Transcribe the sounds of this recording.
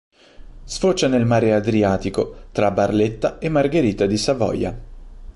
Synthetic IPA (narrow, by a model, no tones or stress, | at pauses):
sfot͡ʃːanelmaːɾead̪ɾiaːt̪ikot̪ɾabarlet̪ːaemːarɡeɾiːt̪ad̪isavɔ̰ja̰